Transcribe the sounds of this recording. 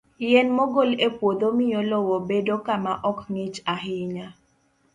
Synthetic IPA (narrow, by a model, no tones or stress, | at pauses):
ɪjɛnmɔɡolepwod̪omɪjɔlɔwɔbedokamaʔɔknit͡ʃaɦɪɲa